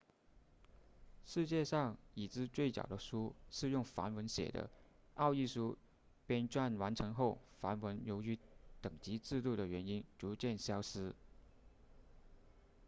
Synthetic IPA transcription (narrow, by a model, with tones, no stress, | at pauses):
ʂɻ̩˥˧t͡ɕjɛ˥˧ʂɑ˥˩ŋi˨˩t͡sɹ̩˥˧t͡swe˥˩ɪt͡ɕjɑ̰˨˩ʊd̪ə˦ʂu˥ʂɻ̩˥˧jʊ˥˩ŋfa̰˧˥nwə˧˥nɕjɛ̰˨˩d̪ə̰˦ | ɑ˥˧ʊi˥˩ʂu˥ | pjɛ˥nʈ͡ʂwa˥˩nwa˧˥nʈ͡ʂʰɤ˧˥ŋxo˥˩ʊfa˧˥nwə˧˥njo˧˥ʊy˧˥t̪ɤ˨˩ŋt͡ɕi˧˥t͡sɹ̩˥˧t̪u˥˩ɾə˩ɥɛ˧˥ni˥nʈ͡ʂu˧˥t͡ɕjɛ˥˩nɕjɑ˥ʊʂɹ̩˥